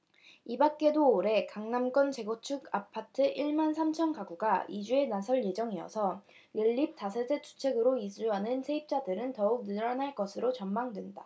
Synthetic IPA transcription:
ibak̚k͈e̞doːɾe̞kaŋnamk͈ʌnt͡ɕe̞ɡot͡ɕʰuɡapʰatʰɯʔiɭmansʰamt͡ɕʰʌnkaɡuɡaid͡ʑue̞nasʰʌɭje̞d͡ʑʌŋiʌ̰sʰʌ | jɯɭːip̚t͈asʰesʰet͡ɕʰu̥t͡ɕʰe̞ɡɯɾoisʰuanɯnsʰe̞ip̚t͡ɕ͈adɯɾɯntʌuk̚nɯɾʌnɦaɭk͈ʌsʰɯɾot͡ɕʌnmaŋdwe̞nda

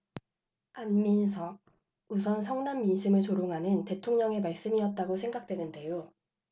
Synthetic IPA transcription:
anminsʰʌɡ̚ | usʰʌnsʰʌŋnamːinɕʰimɯɭt͡ɕoɾoŋɦanɯnte̞tʰoŋɲʌŋe̞maɭs͈ɯmiʌt̚t͈aɡosʰe̞ŋɡak̚t͈we̞nɯnde̞jo

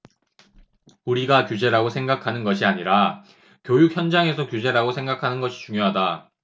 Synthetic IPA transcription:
uɾiɡakjud͡ʑe̞ɾaɡosʰe̞ŋɡakʰanɯnɡʌɕʰiaɲiɾa | kjojuk̚çjʌnd͡ʑaŋe̞sʰʌkjud͡ʑe̞ɾaɡosʰe̞ŋɡakʰanɯnɡʌɕʰi̥t͡ɕuŋjoɦada

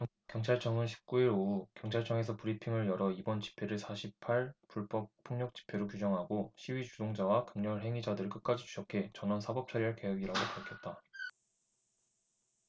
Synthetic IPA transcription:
kjʌŋt͡ɕʰaɭt͡ɕʰʌŋɯnɕʰi̥p̚k͈uiɾoukjʌŋt͡ɕʰaɭt͡ɕ͈ʰʌŋe̞s̬ʰʌpuɾipʰiŋɯɭjʌɾʌibʌnt͡ɕi̥pʰe̞ɾɯɭsʰaɕʰipʰaɭpuɭbʌp̚pʰːoŋɲʌk̚t͡ɕ͈i̥pʰe̞ɾok̬jud͡ʑʌŋɦaɡoɕʰiɥit͡ɕudoŋd͡ʑawakɯŋɲʌɭɦe̞ŋid͡ʑadɯɾɯɭk͈ɯt̚k͈ad͡ʑit͡ɕu̥ɕʰʌkʰe̞t͡ɕʌnʌnsʰabʌp̚t͡ɕ͈ʰaɾiɦaɭke̞weɡiɾaɡopaɭkʰjʌt̚t͈a

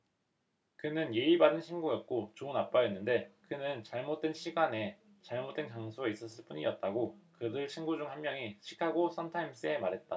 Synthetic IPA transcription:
kɯnɯnje̞ibadɯnɕʰinɡujʌt̚k͈ot͡ɕounap͈ajʌnːɯnde̞kɯnɯnt͡ɕaɭmot̚t͈we̞nɕʰiɡane̞ | t͡ɕaɭmot͈we̞nkaŋsʰoeis͈ʌs͈ɯɭp͈uɲḭʌt̚t͈aɡokɯdɯɭt͡ɕʰinɡud͡ʑuŋɦanmjʌŋiɕʰi̥kʰaɡos͈ʰʌntʰaims͈ɯe̞maɾɦe̞t̚t͈a

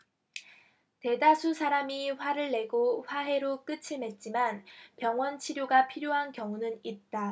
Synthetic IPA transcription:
te̞dasʰusʰaɾamiɸwaɾɯɭːe̞ɡoɸwaɦe̞ɾok͈ɯt͡ɕʰime̞t̚t͡ɕ͈imanpjʌŋwʌnt͡ɕʰiɾjoɡapʰiɾjoɦankjʌŋunɯnit̚t͈a

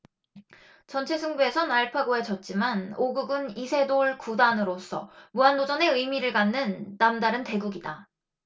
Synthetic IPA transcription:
t͡ɕʌnt͡ɕʰe̞sʰuŋbue̞sʰʌnaɭpʰaɡoed͡ʑʌt̚t͡ɕ͈imanoɡuɡɯnisʰe̞doɭkudanɯɾos͈ʰʌ̰muandod͡ʑʌne̞ɯjmiɾɯɭɡanːɯnːamdaɾɯnte̞ɡuɡida

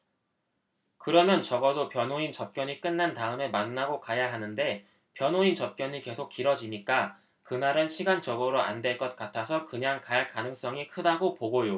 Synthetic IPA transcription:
kɯɾʌmjʌnt͡ɕʌɡʌdopjʌnɦoint͡ɕʌp̚k͈jʌɲik͈ɯnːantaɯme̞manːaɡokajaɦanɯnde̞ | pjʌnɦoint͡ɕʌp̚k͈jʌɲike̞sʰok͈̚iɾʌd͡ʑiɲik͈a | kɯnaɾɯnɕʰiɡand͡ʑʌɡʌɾoa̰ndwe̞ɭk͈ʌt̚k͈atʰasʰʌkɯɲaŋkaɭkanɯŋs͈ʌŋikʰɯdaɡopoɡojo

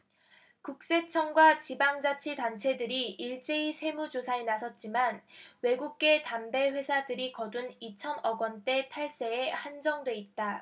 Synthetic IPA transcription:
kuk̚s͈e̞t͡ɕʰʌŋɡwat͡ɕibaŋd͡ʑat͡ɕʰitant͡ɕʰe̞dɯɾiiɭt͡ɕ͈e̞isʰe̞mud͡ʑosʰaenasʰʌt̚t͡ɕ͈imanwe̞ɡuɡ̚k͈e̞tambe̞ɸwe̞sʰadɯɾikʌdunit͡ɕʰʌnʌɡwʌnt͈e̞tʰaɭs͈e̞ːhand͡ʑʌŋdwe̞it̚t͈a

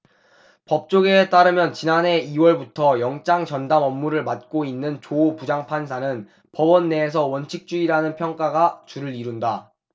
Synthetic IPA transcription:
pʌp̚t͡ɕ͈oɡet͈aɾɯmjʌnt͡ɕinanɦe̞iwʌɭbutʰʌjʌŋt͡ɕ͈aŋt͡ɕʌndamʌmːuɾɯɭmat̚k͈oinːɯnt͡ɕoːpud͡ʑaŋpʰans̬ʰanɯn | pʌbʌnːe̞ːs̬ʰʌwʌnt͡ɕʰik̚t͡ɕ͈uiɾanɯnpʰjʌŋk͈aɡat͡ɕuɾɯɾiɾunda

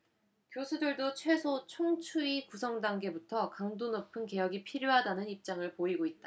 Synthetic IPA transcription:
kjosʰudɯɭdot͡ɕʰwe̞sʰot͡ɕʰoŋt͡ɕʰuikusʰʌŋdaŋɡe̞butʰʌkaŋdonʌpʰɯnke̞jʌɡipʰiɾjoɦadanɯnip̚t͡ɕ͈aŋɯɭpoiɡoit̚t͈a

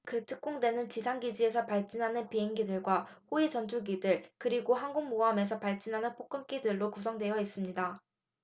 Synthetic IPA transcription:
kɯtʰɯk̚k͈oŋdwe̞nɯnt͡ɕisʰaŋɡid͡ʑie̞sʰʌpaɭt͡ɕ͈inɦanɯnpiɦe̞ŋɡidɯɭɡwahoit͡ɕʌnd͡ʑʰuɡidɯɭkɯɾiɡoɦanɡuŋmoame̞s̬ʰʌpaɭt͡ɕ͈inɦanɯnpʰok͈ɯmk͈idɯɭːokusʰʌŋdwe̞jʌis͈ɯmɲida

